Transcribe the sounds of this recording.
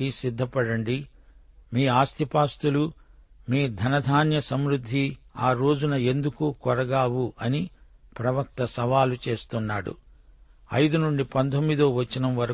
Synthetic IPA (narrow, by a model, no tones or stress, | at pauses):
isid̪ʱːɐpɐɽɐɳɖi | miːaːst̪ʰipaːst̪ulumiːd̪ʱɐnɐd̪ʱaːnjɐsɐmɾud̪ʱːiaːɾo̞ːd͡ʒunɐe̞nd̪ukukɔɾɐɡaːwuʔɐni | pɾɐʋɐk̚t̪ɐsɐʋaːlut͡ʃe̞ːst̪unːaːɽṵ | ɐ̰jd̪unuɳɖipɐnt̪ʰomːid̪oːʋɐt͡ʃːinɐmʋɐɾɐ